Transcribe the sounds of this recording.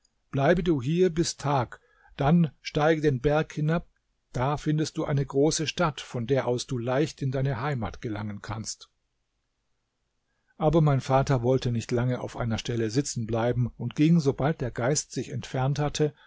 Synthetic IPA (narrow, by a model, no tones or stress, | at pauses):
b̥laɪbəduːɦiːɐbɪstʰaːk | d̥anʃtaɪɡədeːnbɛɐkhɪnap̚ | d̥aːfɪndəstd̥uːʔa̰ɪnəɡʁoːsəʃtatfɔndeːɐʔaʊsd̥uːlaɪçtɪndaɪnəɦaɪma̰ːtɡ̥əlaŋənkʰanst | ʔaːbɐmaɪnfaːtɐvɔltənɪçtlaŋəʔa̰ʊfʔa̰ɪnɐʃtɛləzɪt͡sn̩blaɪbm̩ʊntɡ̥ɪŋzobalt̚d̥eːɐɡaɪstz̥ɪçɛ̰ntfɛɐnthatʰə